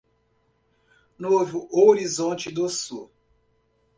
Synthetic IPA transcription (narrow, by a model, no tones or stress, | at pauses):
novʊʔoɾizõt͡ʃɪd̪osu